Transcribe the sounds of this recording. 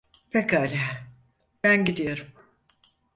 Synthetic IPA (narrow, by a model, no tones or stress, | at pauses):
pʰekalʲɛɦ | b̥ænɟid̪ijo̞ɾum